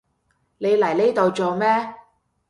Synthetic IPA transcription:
ne˨˧jlɐ˨˩jle˥jt̪o˨wt͡so˨wmɛː˥

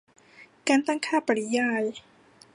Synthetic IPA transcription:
kaː˧nt̪aː˥˩ŋkʰaː˥˩pa˨li˦jaː˧˩j

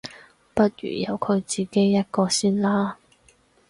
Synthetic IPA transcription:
pɐ˥t̚ɥy̰ː˨˩jɐ˨˧wkʰɵ˨˧ɥt͡siː˨˩ke˥jːɐ˥t̚kɔː˧siː˥nlaː˥

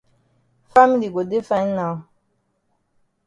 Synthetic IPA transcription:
fa˦mi˦li˨ɡo˨de˦fa˦nna˨w

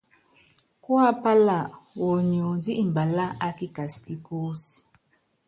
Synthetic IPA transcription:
kwa˦pa˦la˨wo˨ɲo˨di˦i˨m˨ba˨la˦a˦ki˦ka˨ski˦ko˦s

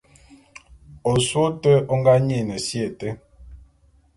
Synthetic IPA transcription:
o˨swo˦tə˦o˦ŋ˦ɡa˦ɲe˦˨nə˨sje˨tə˦

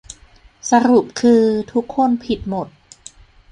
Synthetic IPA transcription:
sa˧ɾu˨˩p̚kʰɯː˧t̪ʰu˦˥kʰːo˧˥˧npʰi˨˩t̪̚mo˨˩t̪̚

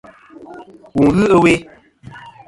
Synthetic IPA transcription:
wu˨ŋɣɨ˦ʔə˦we˦

